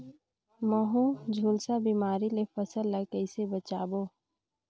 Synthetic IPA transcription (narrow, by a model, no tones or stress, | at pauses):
məɦũd͡ʒʱuːlsabiːmaːɾilefəsəlːəkəɪsebət͡ʃaːboː